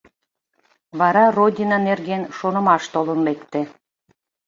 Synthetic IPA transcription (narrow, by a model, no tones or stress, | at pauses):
βɑɾɑrodʲinɑnerɣenʃonə̆mɑʃt̪olənlekt̪ĕ